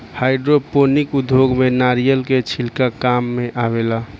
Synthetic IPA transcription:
haɪɖɾoponikud̪ʱjoɡmenaɾijəlket͡ʃʰilkakamːẽʔaʋela

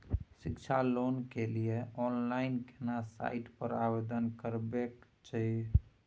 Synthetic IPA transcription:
sikt͡ʃʰalonkelijeɔnlainkenasa̰iʈpəɾabed̪ənkəɾbek | t͡ʃəɦi

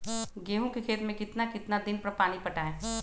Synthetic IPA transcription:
ɡeːɦõkekʰeːt̪mẽkɪt̪nakɪt̪nad̪ɪnpɐɾpaːɽ̃ipɐʈaɦɛː

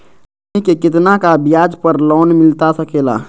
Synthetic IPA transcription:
ĩkekɪt̪nakabɪjaːd͡ʒpəɾlɔːnmɪlt̪asɐkeːla̰ː

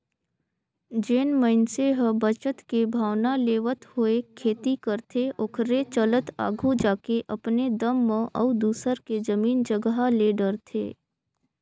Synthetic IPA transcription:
d͡ʒeːnməɪnseɦə̃bət͡ʃət̪kebʱaːwnaleːʋət̪hoekʰeːt̪ikəɾt̪ʰeʊkʰɾet͡ʃələt̪a̰ːɡʱod͡ʒaːkeʔɐpned̪əmːə̃ʔɔʊd̪uːsəɾked͡ʒəmiːnd͡ʒəɡɦaleːɖəɾt̪ʰḛː

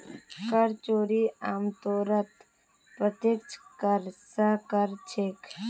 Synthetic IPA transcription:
kɐɾt͡ʃoːɾiːaːmt̪oːɾət̪ | pət̪ɪt͡ʃkɐɾsakəɾt͡ʃʰek

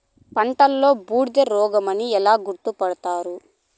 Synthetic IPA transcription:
pɐɳʈɐlːo̞ːbuːɽd̪ɐɾɔːɡɐmɐniɛlaːɡuɾt̪upɐɽɐt̪aːɾu

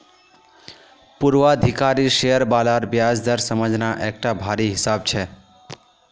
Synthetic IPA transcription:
puɾʋaəd̪ʱikaɾiʃejəɾbalaɾbjad͡ʒd̪əɾsəməd͡ʒnaʔek̚ʈabʱaɾiɦɪsab̚t͡ʃʰe

